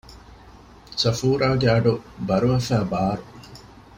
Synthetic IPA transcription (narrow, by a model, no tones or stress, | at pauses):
sɐfuːɾaːɡeɐɖubɐɾuɐfæːbaːɾu